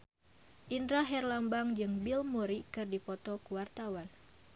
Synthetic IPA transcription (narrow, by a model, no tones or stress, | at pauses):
ʔindɾaɦɛrlambaŋd͡ʒɨŋbilmuɾikɨrdipɔt̪ɔkuwart̪awan